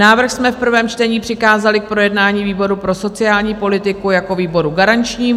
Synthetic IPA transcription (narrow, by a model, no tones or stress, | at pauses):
naːvr̩xsmɛfpr̩vɛːmt͡ʃt̪ɛɲiːpr̝̥ɪxaːzalɪk̚pɾo̞jɛdnaːɲiːviːbo̞ɾupɾo̞so̞t͡sɪaːlɲiːpo̞lɪt̪ɪkujako̞viːbo̞ɾuɡaɾant͡ʃɲiː